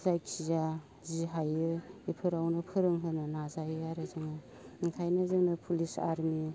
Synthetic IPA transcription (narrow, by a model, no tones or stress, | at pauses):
zajkʰiza | ziɦajɯipʰɯɾawnɯpʰɯɾɯŋɦɯnɯnazajɯaɾɯzɯŋa | iŋtʰajnɯzɯŋnɯpʰulisa̰ɾmi